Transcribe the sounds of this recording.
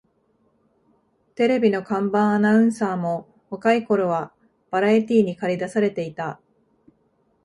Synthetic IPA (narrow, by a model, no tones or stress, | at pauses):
t̪e̞ɾe̞bʲino̞kãmbãɰ̃anaɯ̟̃ɰ̃saːmo̞ | hokaiko̞ɾo̞βa | b̥aɾait̪ʲiːɲ̟ikaɾʲid̪asaɾe̞t̪e̞it̪a